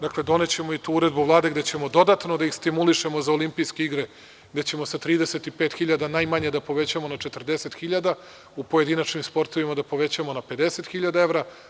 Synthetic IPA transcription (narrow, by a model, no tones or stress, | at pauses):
d̪aklˠed̪o̞ne̞t͡ɕe̞moit̪uːuɾe̞d̪buvlˠaːd̪e̞ɡd̪et͡ɕemo̞d̪o̞d̪at̪no̞d̪aixst̪imuliʃe̞mo̞zaolimpijske̞iɡɾe | ɡd̪e̞t͡ɕe̞mo̞sat̪ɾiːd̪eset̪ipeːt̪xiʎad̪anajmaɲed̪apo̞ʋe̞t͡ɕamo̞nat͡ʃet̪r̩d̪e̞se̞t̪xiʎad̪a | upoje̞d̪inat͡ʃnimspo̞ɾt̪o̞ʋimad̪apo̞ʋe̞t͡ɕamo̞nape̞d̪e̞se̞t̪xiʎad̪ae̞ʋɾa